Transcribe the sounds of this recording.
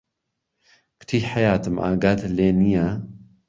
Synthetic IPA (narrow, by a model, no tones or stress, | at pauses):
kʰʊ̥t̪ʰiːħɐjaːt̪ʰɨmʔa̰ːɡaːt̪ʰleːnija